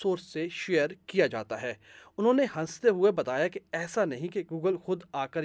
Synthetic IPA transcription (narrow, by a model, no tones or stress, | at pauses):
soːɾsseʃeːjəɾkijad͡ʒa̰ːt̪aɦɛːʊnɦõːnehɐ̃st̪eɦʊebɐt̪aːjakeɛːsanɐɦĩkeɡuːɡəlxʊd̪aːkəɾ